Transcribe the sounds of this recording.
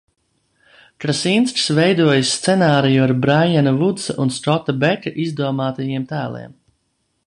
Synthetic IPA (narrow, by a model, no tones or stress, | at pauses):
kɾasinsksvɛjd̪uɔjasːt̪sɛnaːɾijuaɾbɾajɛnɐvud̪sa̰ʔunsɔt̪ːabɛkaʔizd̪uɔmaːt̪ajiɛmt̪æːlˠḭɛm